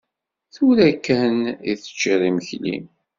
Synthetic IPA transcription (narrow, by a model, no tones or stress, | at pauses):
θuɾækːænḭθə̥t͡ʃːiɾˤiməçlḭm